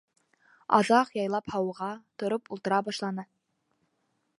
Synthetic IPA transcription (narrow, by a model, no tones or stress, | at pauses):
ɑ̰ðɑqjɑjlˠɑphɑwɤ̆ʁɑt̪ŏɾopulˠt̪ɤ̆ɾɑbɑʃlˠɑnɤ